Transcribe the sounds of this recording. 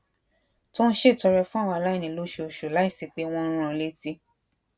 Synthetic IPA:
tɔ̃˦n̩˦ʃe˦˨tɔ˧ɾɛ˧fũ˦a˦˨w̃ɔ̃˧la˦i˦˨nĩ˨lo˦ʃo˧o˧ʃu˨la˨˦i˦˨si˨˧k͡pe˦˧w̃ɔ̃˧˦ɾ̃ũ˧˨˧le˦ti˧˦

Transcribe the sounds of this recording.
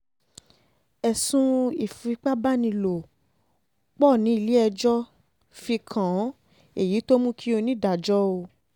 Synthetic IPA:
ɛ˨sũ˧i˨fu˨i˦k͡pa˦ba˦nĩ˧lo˨ | k͡pɔ˦˨nĩ˨˦i˦˨li˦ɛ˧d͡ʒɔ˦ | fi˧kʰã˨˦ | e˦˨ji˨˦to˦mũ˦kʰi˦o˧nĩ˦˨da˨d͡ʒɔ˦o˧

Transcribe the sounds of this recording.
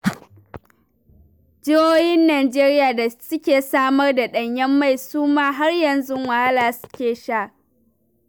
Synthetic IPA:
d͡ʒɪ˦hoː˦jɪ˦nːaː˨d͡ʒeː˦ɾɪ˦jaː˨da˨sʊ˦kʲeː˨saː˦mɐ˦rda˨ɗɐ˨ɲjɐ˦mːa˦˨jsuː˦maː˦ɦa˦rjɐ˨nzʊ˦ŋwa˨ha˦laː˨sʊ̥˦kʲeː˨ʃa˦˨ʔ

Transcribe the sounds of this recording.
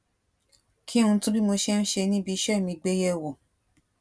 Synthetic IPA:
kʰi˦ũ˧tũ˦bi˦mo˧ʃe˦n̩˦ʃe˧nĩ˦bi˧˦ʃɛ˦˨mĩ˧ɡ͡be˦jɛ˦˨wo˨

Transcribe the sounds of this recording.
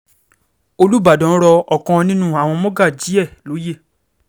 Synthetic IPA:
o˧lu˦˨ba˨dɔ̃˨˦ɾɔ˧ɔ˨kɔ̃˧nĩ˦nũ˦a˦˨w̃ɔ̃˧mɔ̃˦ɡa˦˨d͡ʒi˨˦ɛ˦˨lo˨˦je˦˨

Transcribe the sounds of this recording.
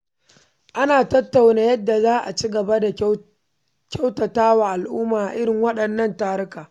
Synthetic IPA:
ʔa˦naː˨tɐ˦tːa˨wnaː˦jɐ˦dːa˨zaː˦ʔa̰˨t͡ʃiː˦ɡɐ˨ba˦da˨ | kʲa˦wtɐ˨taː˦waː˨ʔa˨lʔʊː˦maː˨ʔa˨ʔɪ˦ɾɪ˨ŋwɐ˦ɗɐ˨nːɐ˦ntaː˦ɾɪ˦kaː˨

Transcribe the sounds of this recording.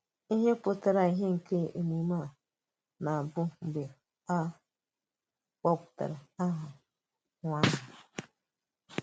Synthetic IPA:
i˦ɦe˦po˦ta˦ɾa˨i˦ɦe˦ŋ̩˨ke˦ʔe˨ni˨ma˦˨ | na˨bʊ˦ŋ͡m̩˨ɡ͡be˨ | a˦ | k͡pɔ˦pta̰˨ɾa˨a˦ɦa˨ | ŋʷa˦ɦa˨

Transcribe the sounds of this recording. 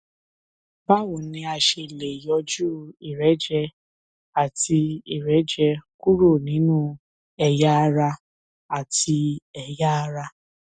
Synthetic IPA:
ba˦wo˨nĩ˧a˧ʃe˧˨le˨jɔ˧˦d͡ʒu˦i˨ɾɛ˨˦d͡ʒɛ˧ | a˦˨ti˧i˦˨ɾɛ˨˦d͡ʒɛ˧ku˦ɾo˦˨nĩ˨˦nũ˦ | ɛ˨ja˦a˧ɾa˧ | a˨ti˧ɛ˨ja˦a˧ɾa˧

